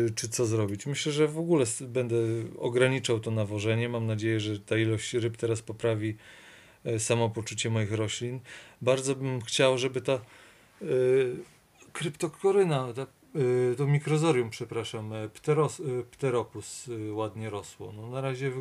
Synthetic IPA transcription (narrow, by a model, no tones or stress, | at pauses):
t͡ʂɘt̪sɔzɾɔbʲit͡ɕmɘɕlɛʐɛvɔɡulɛsbɛnd̪ɛɔ̰ɡɾaɲit͡ʂawt̪ɔnavɔʐɛɲɛmamnad͡ʑejɛʐɛt̪ailɔɕt͡ɕɾɘpt̪ɛɾaspɔpɾavʲi | samɔpɔt͡ʂut͡ɕɛmɔjixɾɔɕlʲinbaɾd̪zɔbɘmxt͡ɕawʐɛbɘt̪a | kɾɘpt̪ɔkʰɔɾɘnat̪a | t̪ɔmʲikɾɔzɔɾʲjumpʂɛpɾaʂampt̪ɛɾɔspt̪ɛɾɔpuswad̪ɲɛɾɔswɔ̰nɔnaɾaʑɛ